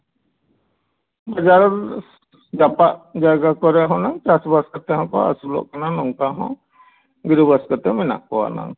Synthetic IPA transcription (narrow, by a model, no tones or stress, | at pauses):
bad͡ʒaɾɔɾ | d͡ʒapaʔd͡ʒaɡakɔɾɛaɦɔ̃naŋt͡ʃasbaskat̪ɛɦɔ̃kɔ̰a̰sulɔ̰ʔkananɔŋkaɦɔ̰̃ | ɡiɾubaskat̪ɛmɛna̰ʔkɔwa̰na̰ŋ